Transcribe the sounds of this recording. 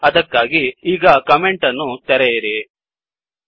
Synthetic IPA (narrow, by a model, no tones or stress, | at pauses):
ɐd̪ɐkːaːɡiiːɡɐkɐme̞ɳʈɐnːut̪ɛɾɛjiɾi